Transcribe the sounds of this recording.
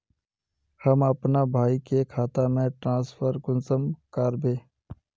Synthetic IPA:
həməpnabʱaːikekʰaːt̪amẽʈɾãːsfʰəɾkʊnsəmkəɾbeː

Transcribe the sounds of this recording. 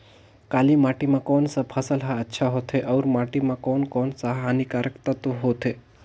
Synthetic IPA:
kalimaʈimãkonsapʰəsəlɦaətːʃʰaɦot̪ʰeʔɐuɾmaʈimãkonkonsaɦanikaɾəkt̪at̪oɦot̪ʰe

